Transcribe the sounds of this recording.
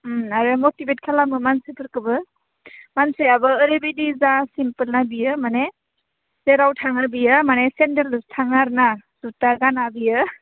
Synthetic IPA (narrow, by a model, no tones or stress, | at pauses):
aɾɯmotibet̚kʰalamɯmansɯpʰɯɾkɯbɯ | mansejabɯːɾebidizasimpəlnabijɯmane | z̥eɾawtʰaŋabijɯmanesenteɾɯstʰaŋaɾnaz̥utaɡanabijɯ